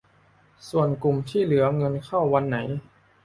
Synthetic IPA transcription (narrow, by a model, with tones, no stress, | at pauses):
su˨˩ənku˨˩mt̪ʰiː˥˩lɯ˩˦ɐŋɤ˧nkʰa˥˩wːa˧nːa˩˦j